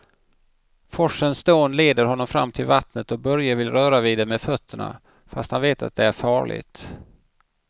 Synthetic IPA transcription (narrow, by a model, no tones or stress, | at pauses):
fɔʂənsd̪oːnleːd̪əɾɦɔnːɔmfɾa̰mːt̪ʰɪlvat̪nət̪ɔk̚bœɾjavɪlɾœːɾaviːd̪ɛmɛd̪fœt̪ʰːəɳa̰ | fast̪hanveːt̪ʰa̰t̪̚d̪ɛæɾfɑːɭɪ̰ɡt̪